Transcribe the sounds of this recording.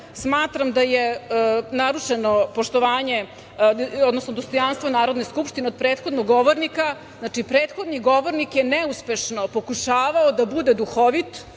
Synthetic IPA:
smaːt̪ɾamd̪ajenaɾuʂenopoʃt̪oʋaːɲe | od̪nosnod̪ost̪o̞janst̪vʋonaːɾod̪neskupʃt̪ineod̪̚pɾeːt̪xo̞d̪noɡːoʋoɾnika | znaːt͡ʂipɾeːt̪xo̞d̪niɡo̞ʋoɾnikjenɛuspe̞ʃnopokuʃaːʋaod̪abud̪ed̪uxoʋit̪

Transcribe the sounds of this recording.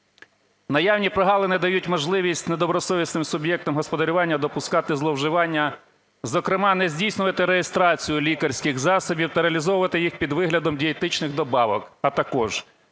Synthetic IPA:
nɐjɑwnʲipɾɔɦɑlˠɪnɪd̪ɐjutʲmɔʒlˠɪʋʲisʲtʲned̪ɔbɾɔsɔʋʲisnɪmsʊbjɛk̚t̪ɔmɦɔspɔd̪ɐɾʲʊʋɑnʲːɐd̪ɔpʊskɑt̪ɪzlˠɔwʒɪʋɑnʲːɐ | zɔkɾɪmɑnɛzʲdʲijsnʊʋɐt̪ɪɾejest̪ɾɑt͡sʲijʊlʲikɐrʲsʲkɪɣzɑsɔbʲiwt̪ɐɾeɐlʲizɔʋʊʋɐt̪ɪjixpʲid̪ʋɪɦlʲɐd̪ɔmdʲiet̪ɪt͡ʃnɪɣd̪ɔbɑʋɔkɐt̪ɐkɔʒ

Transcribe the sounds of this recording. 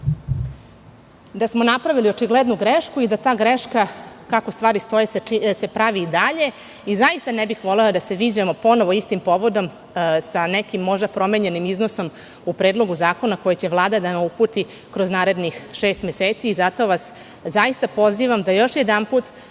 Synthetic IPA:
d̪asmo̞napɾaʋilio̞t͡ʂiɡled̪nuɡɾeʃkuid̪at̪aːɡɾeʃkakakost̪ʋaːɾist̪o̞jessepɾaʋid̪aʎe̞ | izaist̪anebixʋo̞lelad̪ase̞ʋiːd͡ʑamo̞po̞no̞ʋo̞ist̪impo̞ʋo̞d̪o̞m | sanekimːo̞ʒd̪apɾo̞meːɲe̞nimizno̞so̞m | upɾeːd̪lˠo̞ɡuzaːko̞nako̞jet͡ɕe̞ʋlˠaːd̪ad̪anaupuːt̪i | kɾo̞znaːɾe̞d̪nixʃe̞ːst̪meseːt̪siːzat̪o̞ːʋas | zajist̪apo̞ziːʋamd̪ajo̞ʃjed̪anpuːt̪

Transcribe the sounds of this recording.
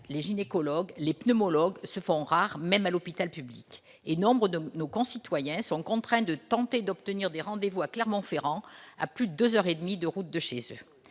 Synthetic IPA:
leʒinekɔlɔɡlepnømɔlɔɡsəfɔ̃ʁaʁmɛmalɔpit̪alpyblik | enɔ̃bʁəd̪nokɔ̃sit̪wajɛ̃sɔ̃kɔ̃t̪χɛ̃d̪ət̪ɑ̃t̪ed̪ɔpt̪əniʁd̪eʁɑ̃d̪evuaklɛʁmɑ̃feʁɑ̃a̰plyd̪əd̪øzœʁed̪mid̪əʁut̪̚d̪əʃezø

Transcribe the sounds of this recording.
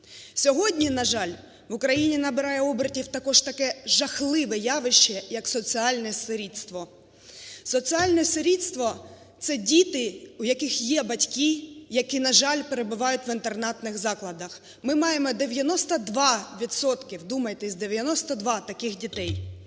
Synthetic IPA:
sʲɔɦɔdʲnʲinɐʒɑlʲ | ʋʊkɾɐjinʲinɐbɪɾɑjɛɔbɾɐtʲiwt̪ɐkɔʒt̪ɐkɛʒɐxlˠɪʋɛjɑʋɪʃt͡ʃɛjɐksɔt͡sʲiɑlʲnɛseɾʲit̪st̪ʋɔ | sɔt͡sʲiɑlʲnɔseɾʲit̪st̪ʋɔ | t̪sɛdʲit̪ɪujɐkɪxjɛbɐtʲkʲijɐkinɐʒɑlʲpeɾebʊʋɑjʊtʲʋɪnt̪ernɑt̪nɪɣzɑklˠɐd̪ɐx | mɪmɑjemɔd̪eʋʲjɐnɔst̪ɐd̪ʋɑʋʲit̪sɔt̪kɪwd̪umɐjt̪ɛsʲd̪eʋʲjɐnɔst̪ɐd̪ʋɑt̪ɐkɪxdʲit̪ɛj

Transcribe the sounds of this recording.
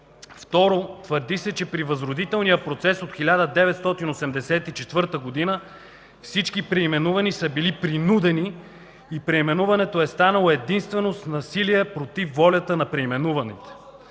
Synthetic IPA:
ft̪ɔɾot̪vəɾd̪isɛt͡ʃɛpɾivəzɾod̪it̪ɛlˠnijəpɾot̪sɛsot̪xilʲad̪əd̪ɛvɛt̪st̪ɔt̪inosɛmd̪ɛsɛt̪it͡ʃɛt̪vɤɾt̪əɡod̪inə | fsit͡ʃkipɾɛimɛnuvɐnisəbilipɾinud̪ɛniː | pɾɛimɛnuvɐnɛt̪oɛst̪anəlˠoɛd̪inst̪vɛnost̪nɐsiliɛpɾot̪ifːɔlʲət̪ənɐpɾɛimɛnuvɐnɛt̪ɛ̥

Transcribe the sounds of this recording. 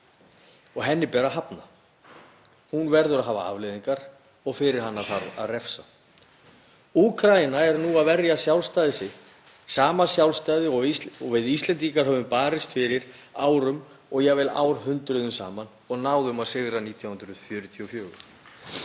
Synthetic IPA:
ɔɣɦɛnːɪpɛːɾaɦapna | hunvɛɾðʏɾaðɦaːva̰a̰vlɪðiŋkaɾ̥ | ɔɣfɪɾɪɾ̥hanːaðθaɾa̰ðrɛfsa | ukʰɾajɪnaɛɾnuaðvɛrjasjawlst̪ajðɪsɪht̪ | saːmasjawlst̪ajðɪɔɔvɪðist̪lɛnt̪ikaɾ̥ɦœːvʏmpaːɾɪst̪fɪɾɪɾaːwɾʏm | ɔɣjɛɣvɛla̰ːwɾ̥hʏnt̪ɾʏðʏmsa̰ːman | ɔɣnaːwðʏmaðsɪɣɾaniːt̪ʰjawhʏnɾʏ̥fjʏːɾʏt̪ʰiɔfjœːɣʏ̰ɾ̥

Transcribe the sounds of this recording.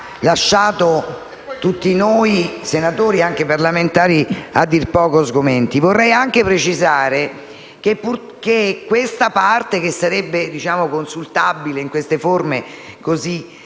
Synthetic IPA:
laʃːaːt̪o | t̪ut̪ːinoːjsenat̪oːɾiaŋk̟eparlament̪aːɾia̰d̪ːirpɔːkoazɡoment̪ivorːɛjaŋk̟epɾet͡ʃizaːɾe | kepːu | kekːwest̪apart̪ekesːaɾɛbːed̪it͡ʃaːmokonsult̪abileiŋkwest̪eformekozi

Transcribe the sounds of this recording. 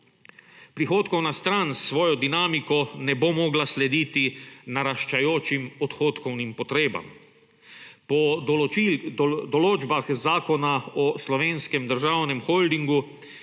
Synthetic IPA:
pɾixoːt̪kɔwnast̪ɾansːʋɔːjɔd̪inaːmikɔnɛbomɔːɡlaslɛd̪iːt̪inaɾaʃt͡ʃajoːt͡ʃimɔt̪xoːt̪kɔwnimpɔt̪ɾeːba̰m | pɔ | d̪ɔloːd͡ʒbaxzaːkɔnaɔslɔʋeːnskɛmd̪əɾʒawnɛmxoːld̪iŋɡu

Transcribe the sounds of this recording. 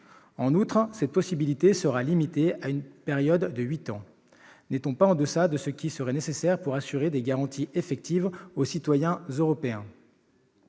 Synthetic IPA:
ɑ̃nut̪χsɛt̪̚pɔsibilit̪esəʁalimit̪eaynpɛʁjɔd̪ːəɥit̪ɑ̃ | net̪ɔ̃paɑ̃d̪əsad̪əsəkʲisəʁɛnesesɛʁpuʁasyʁed̪eɡaʁɑ̃t̪ʰiʔefɛk̚t̪ʰivosit̪wajɛ̃zøʁɔpeɛ̃

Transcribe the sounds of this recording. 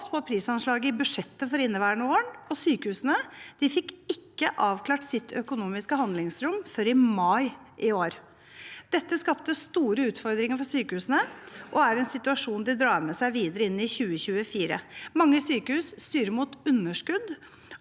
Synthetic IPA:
spʰɔpʰɾiːsɑnʂlɑːɡəɪbʉʂɛt̪ːəfɔɾɪnːəʋæːɳəoːəɳɔsyːkəhʉːsənəd̪̥ɪfɪkːɪkːəʔɑːʋkʰlɑːʈsɪt̪ʰœkʊnuːmɪskəhɑnd̪lɪŋsɾʊmfœɾɪmɑɪʔɪoːɾ | d̪̥ɛt̪ːəskɑp̚t̪əst̪uːɾəʉːt̪fɔɾd̪ɾɪŋəɾfɔsyːkəhʉːsənəʔɔæɾɛnsɪt̪ʉɑʂuːnd̪ɪd̪ɾɑːɾmɛsæɪʋiːd̪əɾəɪnːɪçʉːəçʉːəfiːɾə̰mɑŋːəsyːkəhʉːsst̪yːɾəmuːt̪ʉnːəʂkʉd̪

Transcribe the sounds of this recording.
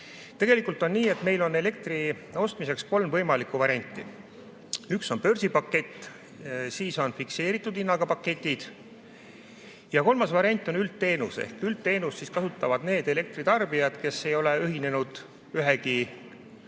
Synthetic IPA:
t̪e̞ɡ̥e̞likːˑult̪ːˑo̞nːiːe̞t̪me̞jlo̞nːe̞le̞k̚t̪ri | o̞st̪mise̞ksko̞lmvɤjmɑlikːˑuvɑɾʲiɑnʲt̪ːˑi | ykso̞npø̞rsipɑkːe̞t̪ː | siːso̞nfikse̞ːɾit̪ːˑud̪inːɑɡɑpɑkːet̪ʲːˑid̪̥ | jɑko̞lmɑsvɑɾiɑnʲt̪ˑːo̞nylt̪ːe̞ːnusḛhkylt̪ːe̞ːnusːiskɑsut̪ːˑɑvɑd̪ne̞ːd̪e̞le̞k̚t̪rit̪ɑrbijɑd̪̥ke̞sːe̞jo̞leyɦine̞nud̪̥ | yɦeki

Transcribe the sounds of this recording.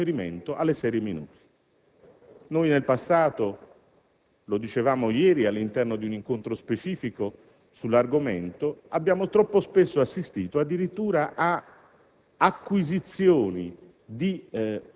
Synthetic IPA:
eɾimḛnt̪oʔalːesɛːɾjeminṵːɾi | nojnelpasːaːt̪o | lod̪it͡ʃevaːmojɛːɾialːint̪ɛrnod̪iuniŋkont̪ɾospet͡ʃiːfiko | sulːarɡoment̪oabːjaːmot̪ɾɔpːospesːoasːist̪iːt̪oad̪ːiɾit̪ːuːɾaʔa | kːwizit̪sːjoːni | d̪i

